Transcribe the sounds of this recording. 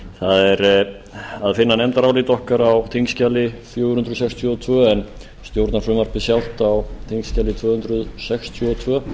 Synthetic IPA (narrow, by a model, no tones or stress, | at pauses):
θaðɛɾ | aðfɪnːanɛnt̪aɾaːwliːt̪ɔhkaɾawt̪ʰiŋscalːɪfjoːwhʏnt̪ɾʏðsɛkst̪ʰjɔɔt̪ʰvœːɛn | st̪jowɾt̪naɾfɾʏmaɾr̥pɪsjawl̥t̪awt̪ʰiŋscaːlɪt̪ʰv̥œːhʏnd̪ɾʏðsɛkst̪ʰjɔɔt̪ʰvœː